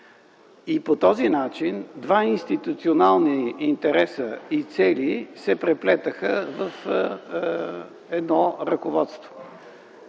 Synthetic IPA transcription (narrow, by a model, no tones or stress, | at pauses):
ipot̪ɔzinat͡ʃind̪vainst̪it̪ut̪sionalˠniint̪ɛɾɛsəit̪sɛlisɛpɾɛplɛt̪əxəvəf | ɛd̪nɔɾəkovɔt̪st̪vo̥